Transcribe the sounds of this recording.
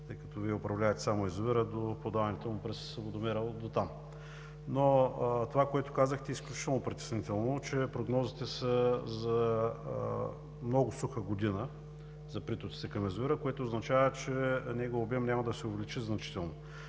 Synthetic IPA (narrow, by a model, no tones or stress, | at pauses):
t̪ɤjkɐt̪ɔviɛʊpɾɐvlʲavət̪ɛ̥samoɛzoviɾəd̪opod̪avnɛt̪ɛmʊpɾɛsovod̪omɛɾəlˠd̪ot̪am | not̪ovakoɛt̪ʊ̥kazəxt̪ɛisklʲut͡ʃit̪ɛlˠnopɾit̪ɛ̥snit̪ɛlˠnot͡ʃɛpɾoɡnɔzit̪ɛsəzɐ | mnɔɡʊsuxəɡod̪inə | zɐpɾit̪ot̪i̥t̪ɛkɐmɛzoviɾəkoɛt̪oːznɐt͡ʃavət͡ʃɛnɛɡoobɛmnʲamɐd̪ɐsɛʊvɛlit͡ʃiznɐt͡ʃi̥t̪ɛlˠno